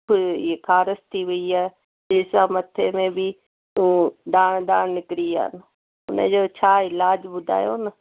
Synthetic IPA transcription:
ekʰaːɾəst̪ʰiːʋʊiaː | d͡ʒɪsaːmət̪ʰemẽbʱi | ũːd̪aːɽd̪aːnɪkɾia̰ːn | ʊnḛ̃d͡ʒoːt͡ʃʰaːɪlaːd͡ʒbʊd̪ʱa̰ːjoːnə

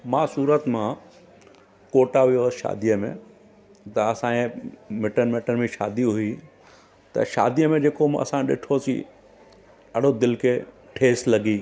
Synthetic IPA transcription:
mãːsuːɾət̪mã | koːʈaʋijoəsʃa̰ːd̪ijəmḛ̃ | t̪ɐɐsãẽmɪʈənmeʈənmẽʃa̰ːd̪iɦʊi | t̪ɐ̰ʃa̰ːd̪ijəmẽd͡ʑeːkomɐ̰sãɗɪ̰ʈʰosḭ | ɐɽ̤od̪ɪlkʰeː | ʈʰeːslɐɡiː

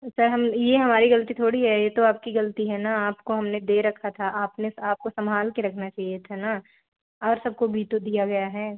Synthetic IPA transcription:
sɐɾɦɐmjeɦɐmaːɾiɣɐlt̪it̪ʰoːɽiɦɛjet̪oaːp̚kiɡɐlt̪iɦɛnaaːpkoɦɐmned̪eːɾɐkʰat̪ʰaʔaːpnesaːp̚kosɐmʱaːlkeɾɐkʰnat͡ʃaːɦijet̪ʰana | ɔːɾsɐb̚kobʱit̪od̪ijaɡɐjaɦɛː

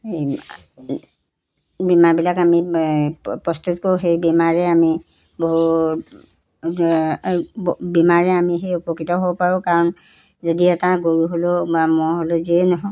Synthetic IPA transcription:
hej | bimaɹbilakami | pɹɔst̪ut̚kouɦejbimaɹɛami | boɦu | bimaɹɛamiɦejupɔkitɔɦobpaɹʊ̃kaɹɔn | zɔdiɛtaɡoɹuɦolobamɔɦoloziɛnɔɦɔ

